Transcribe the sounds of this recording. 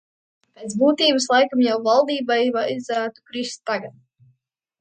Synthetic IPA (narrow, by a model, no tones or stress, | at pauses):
peːt̪buːt̪iːbɨslˠajkamjawvalˠd̪iːbajvaizæːt̪u̥kɾist̪ːaɡat̪̚